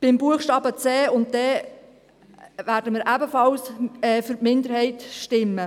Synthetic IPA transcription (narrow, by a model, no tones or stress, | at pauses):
b̥ɪmbuəχʃtɑːbət͡sɛːʊnt̚dɛ | væːɾdəmɪːɾʔæbəfɑlsɛːfyɾtmɪndəɾhɛɪtʃtɪmːə